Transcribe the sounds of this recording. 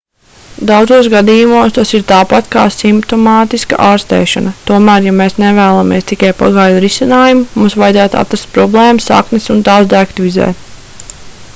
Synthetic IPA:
d̪awd̪zuɔsɡad̪iːjumuɔst̪asiɾt̪aːpat̪ka̰ːsimpt̪ɔmaːt̪iska̰ʔaːɾst̪ɛ̰ːʃa̰nɐt̪uɔmæːɾjameːsnevæːlˠamiɛst̪ikajpa̰ɡaːjd̪ɾisʲinaːjumumumsʋajd̪zæːt̪a̰t̪ɾast̪pɾɔblˠeːmsa̰knisunt̪aːzd̪æːkt̪ʋizɛ̰ːt̪

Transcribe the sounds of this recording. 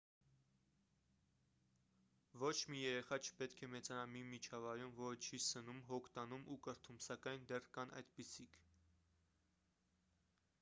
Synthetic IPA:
vɔt͡ʃʰmijɛɾɛχɑt͡ʃʰə̥pɛt̪kʰɛmɛt͡sɑnɑmimit͡ʃʰɑvɑjɾumvɔɾət͡ʃʰisənumɦɔkʰt̪ɑnumʔukəɾt̪ʰumsɑkɑjnd̪ɛrkɑnʔɑ̰jd̪pisikʰ

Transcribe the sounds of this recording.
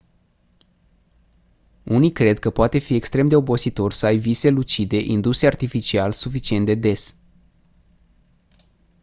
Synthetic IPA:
unijkɾe̞d̪kəpoat̪e̞fie̞kst̪ɾe̞md̪e̞o̞bo̞sit̪o̞rsəajvise̞lut͡ʃid̪e̞ʔind̪useart̪ifit͡ʃialsufit͡ʃie̞nt̪d̪e̞d̪e̞s

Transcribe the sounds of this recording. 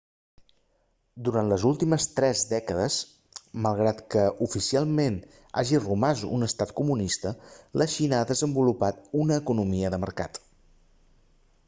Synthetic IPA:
d̪uɾant̪ləzulˠt̪iməst̪ɾɛzd̪ɛkəðəs | məlˠɣ̞ɾat̪kəʔufisialˠmen | a̰ʒirumazuṵnəst̪at̪kumunist̪ələʃinəaðəzəmbulupat̪̚unəːkunumiəðəmə̰ɾka̰t̪

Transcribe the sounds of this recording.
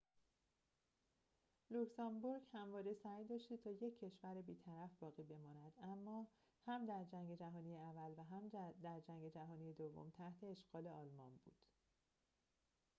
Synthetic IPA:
luksɒmbuɾɡhæmvɒːɾesæjd̪ɒːʃt̪it̪ʰɒːje̞cʰːe̞ʃvæɾebiːt̪ʰæɾæfbɒːɣiːbe̞mɒːnæd̪̥æmːɒː | hæmd̪æɾd͡ʒæŋɡe̞d͡ʒæɦɒːnijeævːælvæɦæmd̪æɾd͡ʒæŋɡe̞d͡ʒæɦɒːniːjed̪ovːo̰mt̪ʰæht̪ʰe̞ːʃɡ̥ɒːle̞ɒːlmɒnbṵːd̪̥

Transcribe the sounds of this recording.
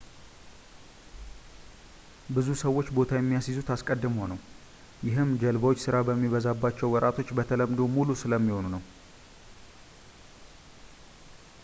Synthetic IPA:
bɨzusəwːo̞t͡ʃːbo̞t̪ʰajɛmːijasizut̪askʼəd̪ːɨməownəw | jɪɦɨmd͡ʒəlbəwot͡ʃːsɨɾabəmːiβəzabːat͡ʃːɛwːɔɾʔat̪ʰo̞t͡ʃːbət̪ʰələmd̪o̞mulusɨləmːiho̞nunəw

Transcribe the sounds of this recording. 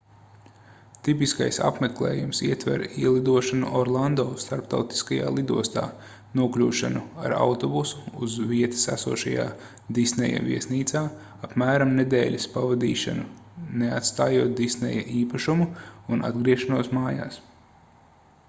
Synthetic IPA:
t̪ip̬iskajsa̰pmeklˠḛːjumsiɛt̪vɛ̰ɾiɛlˠid̪uɔʃanṵʔɔɾlˠand̪ɔːst̪aɾpt̪awt̪i̥skaja̰ːlˠid̪uɔst̪a̰ː | nuɔklʲuːʃanua̰ɾa̰wt̪ɔbusu̥ːzviɛt̪i̥sæsuɔːʃaja̰ː | d̪isnɛja̰vʲiɛsniːt̪saː | apmæːɾamned̪ɛːlʲispavad̪iːʃa̰nuneat̪st̪aːjuɔt̪̚d̪isnɛ̰jaʔiːpaʃumuunʔa̰d̪ɡɾiɛʃanuɔsmaːja̰ːs

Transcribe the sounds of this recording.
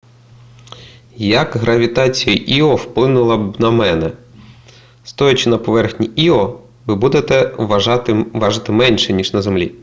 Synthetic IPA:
jɐɡɦɾɐʋʲit̪ɑt͡sʲijiʔiɔwplˠɪnʊlˠɐbnɐmɛnɛ | st̪ɔjɐt͡ʃɪnɐpɔʋɛrxnʲiʔiɔ | ʋɪbud̪et̪ɛɑt̪ɪʋɑʒɪt̪ɪmɛnʲʃɛnʲiʒnɐzemlʲḭ

